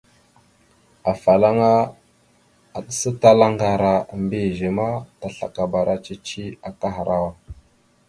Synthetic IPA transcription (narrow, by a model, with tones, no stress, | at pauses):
a˨fa˨la˦ŋa˦ | a˨ɗə˦sə˦ta˦la˦ŋɡa˨ɾa˨mbi˦˨ʒi˨ma˦ta˨ɬa̰˨ka˨ba˨ɾa˦t͡ʃi˦t͡ʃi˦a˨ka˦ɦa˨ɾa˦wa˨